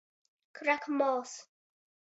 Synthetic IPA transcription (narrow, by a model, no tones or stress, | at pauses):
kʰɾakʰmɔːs